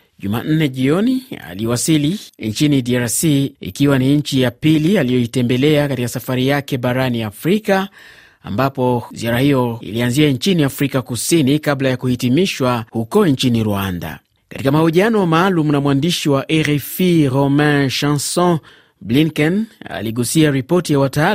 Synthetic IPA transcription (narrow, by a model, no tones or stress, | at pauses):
ʄuma̰n̩nɛʄiɔnia̰liwasiliɲt͡ʃinidiaɾsiḭkiwaniɲ̩t͡ʃijapilialijɔitɛmbɛlɛakatikasafaɾijakɛɓaɾaniafɾika | a̰mbapɔziaɾahijɔḭlianziaɲt͡ʃiniafɾikakusinikablajakuhitimiʃwahukɔɲt͡ʃiniɾuanda̰ | katikamahuʄianɔmaːlumunamwandiʃiwaʔɛɾɛfiɾɔmɛ̃ʃãnsɔ̃ | bliŋkɛna̰liɠusiaɾipɔtijawataa